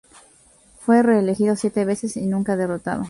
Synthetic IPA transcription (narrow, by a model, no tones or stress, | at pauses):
fwe̞re̞ːlexiðosje̞t̪e̞βe̞sesinũŋkaðe̞rot̪a̰ðo